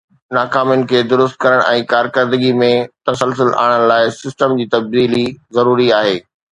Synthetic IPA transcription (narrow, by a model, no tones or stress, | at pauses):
naːkaːmjʊnɪ̆kʰeːd̪ʊɾʊst̪̚kɐɾəɽ̃ʔɛ̃ːkaːɾkəɾd̪əɡimẽt̪ɐsəlsʊlʔa̰ːɽ̃əɽ̃̆laːɪsɪsʈəmd͡ʑiːt̪ɐb̚d̪iːlizɐɾuːɾiaːɦeː